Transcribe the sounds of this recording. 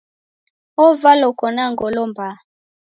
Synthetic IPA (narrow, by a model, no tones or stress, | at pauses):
ovalokɔnaŋɡolomba